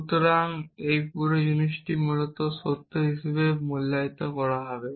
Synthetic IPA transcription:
t̪oɾaŋejpuɾojunisʈimulɔt̪ɔsot̪ːoɦisebemulːajt̪akɔɭaɦɔbe

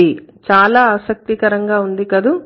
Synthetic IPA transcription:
it͡ʃaːlaːaːsɐk̚t̪ikɐɾɐŋɡaːund̪ikɐd̪u

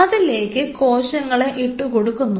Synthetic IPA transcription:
ɐðile̞ːkːɨko̞ːɕɐŋːɐɭeʔiʈːukoɽukːunːu

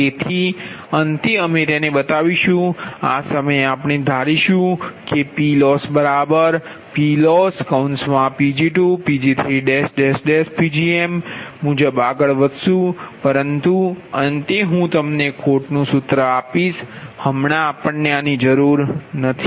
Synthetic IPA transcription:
t̪et̪ʰi | ənt̪iəmẽt̪enebət̪aʋiʃũa̰səməjapɳ̃ed̪ʱaɾiʃũkepilɔsbəɾabəɾ | pilɔskəwnsmãpid͡ʒiʈupid͡ʒit̪ʰɾiɖesɖesɖespid͡ʒiemːũd͡ʒəbaɡəɭʋəd̪ʃũpəɾənt̪uənt̪eɦũt̪əmnekʰoʈnũsʊt̪ɾəapiʃhəmɳaːpəɳːeanid͡ʒəɾuɾnət̪ʰi̥

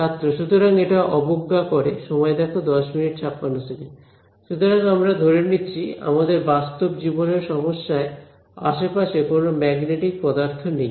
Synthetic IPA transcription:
t͡ʃʰat̪ːɾoʃut̪oɾaŋeʈaʔɔboɡːakɔɾeʃɔmɔed̪ɛkʰod̪ɔʃminiʈt͡ɕʰapːanːosʰeke | ʃut̪oɾaŋamɾad̪ʱoɾeniːt͡ɕʰia̰mad̪eɾbast̪obd͡ʑiboneɾʃɔmoʃːae | a̰ʃepaʃekonomɛɡneʈik̚pɔd̪aɾt̪ʰonej

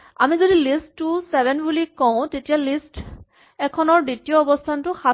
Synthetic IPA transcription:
amizodilistːusɛbʱɛnbulikɔʊ̃tetijalist | ɛkʰɔnɔɹditijɔːbɔstʰantʊxa

